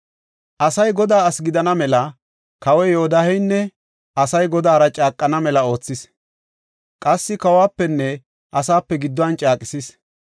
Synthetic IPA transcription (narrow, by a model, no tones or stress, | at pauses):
ʔɐsɐjɡɔd̪aːɐsɡɪd̪ɐnɐmɛlɐ | kɐwɛjɔɔd̪ahɛjnːɛ | ʔɐsɐjɡɔd̪aːɾɐt͡ʃʼaːkʼːɐnɐmɛlɐo̞ːt͡sːɪs | kʼɐsːɪkɐwaːpːɛnːɛ | ʔɐsaːpːɛɡɪd̪ːɔɐnt͡ʃʼaːkʼɪsis